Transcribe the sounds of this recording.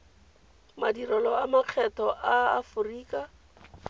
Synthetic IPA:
madirɔlɔamaq͡χʰɛtɔʔaːfʊriːka

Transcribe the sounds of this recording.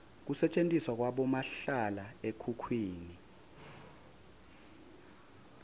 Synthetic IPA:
k̬usɛt͡ʃʼentʼiswak̬waɓɔmaɬalaekʰukʰwiːni

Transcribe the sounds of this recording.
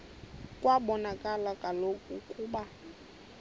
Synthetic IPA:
kʼwaɓɔnakʼalakʼalokʼukʼuːɓa

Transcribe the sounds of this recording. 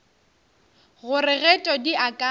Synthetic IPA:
ɣʊrɪɣɛtʼɔdiʔakʼa

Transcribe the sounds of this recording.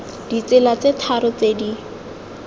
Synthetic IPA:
d̥it͡sɪlat͡setʰaɾʊt͡sedi

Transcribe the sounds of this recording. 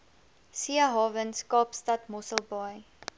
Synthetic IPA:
siəɦɑːvənskɑːpstɐtmɔsəlˠbɑj

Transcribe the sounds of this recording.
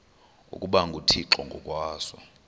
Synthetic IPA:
ṵkʼuɓaŋɡʱutʰiǁɔŋɡʱɔkʼwaːsɔ̰

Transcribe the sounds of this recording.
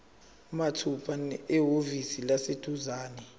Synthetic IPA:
matʰupʰanɛɦovisilased̥ʱuzaːnɛ

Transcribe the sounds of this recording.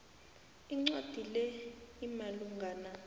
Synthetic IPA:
iŋ͡ǀad̥ʱilɛimaluŋɡʱaːna

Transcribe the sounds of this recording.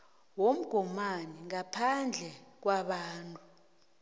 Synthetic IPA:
wom̩ɡ̥ʱɔmaniŋapʰand͡ɮʱɛk̬waɓaːntʼu

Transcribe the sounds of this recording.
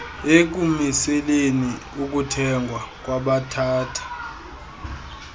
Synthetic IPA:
ek̬ʼumisɛleniuk̬ʼutʰɛŋɡʱwak̬ʼwaɓatʰaːtʰḁ

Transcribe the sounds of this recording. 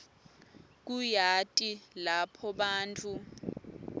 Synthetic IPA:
k̬ujatʼilapʰɔɓaːntʰʼu

